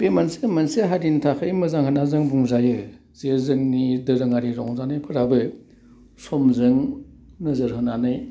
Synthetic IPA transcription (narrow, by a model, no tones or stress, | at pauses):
pemansemanseɦaɾintʰakʰɯjmɯzaŋhanazɯŋbuŋzajɯ | zezɯŋnidɯɾɯŋaɾiɾɔŋzanɯjpʰɯɾabɯ | sɔmzɯŋ | nɯzɯɾɦɯnanɯj